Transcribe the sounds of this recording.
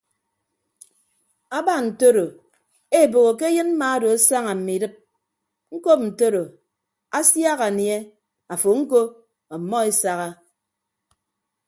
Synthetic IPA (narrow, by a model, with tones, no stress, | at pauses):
a˦ba˦n̩˨to˦ɾo˨ | e˦˨bo˨ɣo˨k̬e˦jɨ˦nm̩˦ma˨a˦do˨a˦sa˦ŋa˨m̩˨mi˨dɨ˦p̚ | ŋ̩˦ko˦p̚n̩˨to˦ɾo˨ | a˦sja˦ɣa˨nje˦ | a˨fo˨ŋ̩˦ko˦ | ɔ˨mːɔ˦e˦sa˨ɣa˦